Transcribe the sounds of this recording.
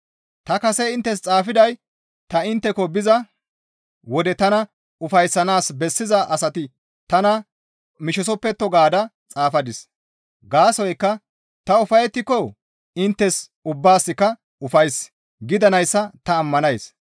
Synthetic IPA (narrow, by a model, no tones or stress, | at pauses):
t̪ɐkɐsɛɪnt̪ːɛs̬t͡sʼaːfɪd̪ɐj | t̪ɐɪnt̪ːɛkɔbɪzɐ | wɔd̪ɛt̪ɐnɐ | ʊfɐjsːɐnaːsbɛsːɪzɐʔɐsɐt̪ɪ | t̪ɐnɐ | mɪʃɔsɔpːɛt̪ːɔɡaːd̪ɐt͡sʼaːfɐd̪ɪs | ɡaːsɔjkːɐ | t̪ɐʊfɐjɛt̪ːɪkɔ | ɪnt̪ːɛs | ʊbːaːsːɪkːɐ | ʊfɐjs | ɡɪd̪ɐnɐjsːɐt̪ɐːmːɐnɐjs